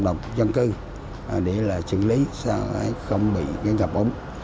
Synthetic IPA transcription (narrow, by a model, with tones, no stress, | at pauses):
ŋ͡mɗə˨˩wŋ͡m̚zə˧nkɨ˧˨˩ | ɗe˧˩laː˨˩t͡ɕɨ̰˧˩ənli˨˦saː˧wa̰ː˧˨˦jxə˧wŋ͡mɓḭ˧˨kaː˧˨˦jŋa˨˩p̚ʔə˨˦wŋ͡m